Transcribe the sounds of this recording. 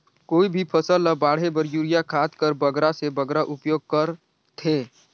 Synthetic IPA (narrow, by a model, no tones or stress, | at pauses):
koːibʱipʰəsəlːəbaːɽ̤ebəɾjuːɾijakʰaːt̪kəɾbəɡɾasebəɡɾaʔʊpjoːɡ̚kəɾ | t̪ʰeː